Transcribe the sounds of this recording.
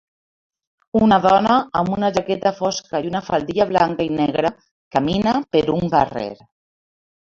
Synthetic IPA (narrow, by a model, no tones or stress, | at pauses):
unaðɔnaːmunaʒakɛt̪afɔskaiunafald̪iʎaβlaŋkainɛɣɾa | kaminapəɾuŋɡarḛɾ